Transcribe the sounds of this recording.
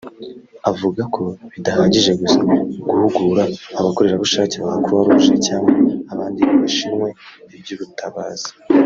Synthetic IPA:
avuɡakʰo̞βidahaːɲɟiʒe̞ɡusaɡuhuɡuːɾaːβako̞ɾe̞ɾaβuʃaːceβaɡakuɾuhaɾuuʒecaːŋɡaaβaːndikβiʃinŋwe̞ | ibjuβutʰaβa̰ːz̥i̥

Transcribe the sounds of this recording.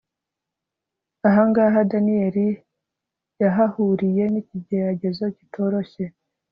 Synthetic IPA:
aɦaŋɡaːɦadanieɾi | jaɦahuɾije̞niciɟeɾaɟe̞zo̞citʰo̞ɾo̞çe̞

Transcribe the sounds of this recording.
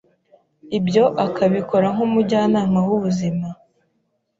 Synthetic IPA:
ibjo̞ʔakʰaβiko̞ɾaŋ̥umuɾɟaːnaːmawuβuzima

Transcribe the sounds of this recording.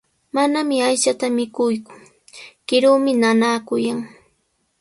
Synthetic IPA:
manamɪajʃat̪amɪkʊjkʊ̥ | kɪɾuːmɪnanaːkʊjaŋ

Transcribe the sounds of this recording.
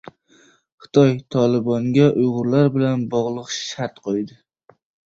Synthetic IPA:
χɨ̥t̪ʰɒjt̪ʰɒlˠɪbɒŋɡʲaʔʊjʁʊɾlaɾbɪlanbɒʁlˠɨqʃaɾt̪qʰojd̪ɪ

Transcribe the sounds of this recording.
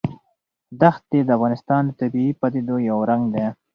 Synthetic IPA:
d̪axt̪̚d̪ed̪əavɣɑnɪst̪ɑnd̪ət̪abiipad̪ed̪ojawɾaŋɡd̪e

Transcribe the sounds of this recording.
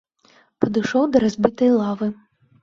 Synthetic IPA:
pɐd̪ɨʃɔwd̪ɐɾɐzʲbʲit̪ɐjlˠɑvɨ

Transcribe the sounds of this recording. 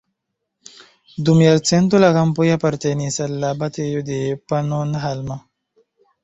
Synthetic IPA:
d̪umjalt͡sent̪̬ulakampojapaɾt̪enisalːabat̪ejod̪epanonaɦalma

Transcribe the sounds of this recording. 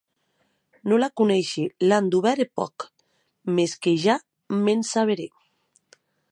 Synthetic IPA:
nolakunɛʃeland̪uβɛɾepɔ̰k | meskeʒa | mensaβeɾe

